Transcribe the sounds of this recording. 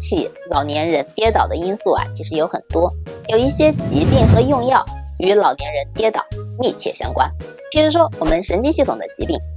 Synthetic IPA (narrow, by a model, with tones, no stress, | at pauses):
t͡ɕʰi˧˩ | lɑ˨˩ʊnjɛ˧˥nɻə˧˥nt̪jɛ˥t̪ɑ˨˩ʊd̪ə˦i˥nsu˥˩ɐ̰˨˩t͡ɕʰi˧˥ʂɻ̩˧˥jo˧˥ʊxə˨˩nt̪wɔ˥jo˨˩ʊi˥˩ɕjɛ˥t͡ɕi˧˥pi˥˩ŋxɤ˧˥jʊ˥˧ŋjɑ˥˩ʊy˧˥lɑ˨˩ʊnjɛ˧˥nɻə˧˥nt̪jɛ˥t̪ɑ̰˨˩˦ʊmi˥˧t͡ɕʰjɛ̰˥˩ɕjɑ̰˥ŋkwa̰˥n | pʰi˧˥ʂu˧˥ʂwɔ˥wɔ˨˩mə˦nʂə˧˥nt͡ɕi˥ɕi˥˩t̪ʰʊ˨˩ŋd̪ə̰˦t͡ɕḭ˧˥pi˥˩ŋ